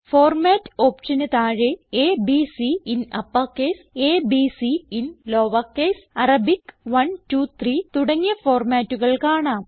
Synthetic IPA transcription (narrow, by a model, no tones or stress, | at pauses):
foːrmaːtːo̞ːpt͡ɕɐnɐt̪aːɻeeːbiːsiinɐpːɐːkːeːseːbiːsiinlo̞ːʋaːkːeːsɐrɐbikʋɐntuːt̪ʰriːt̪uɽɐŋːijɐfo̞ːrmaːtːuɣɐɭkaːɳaːm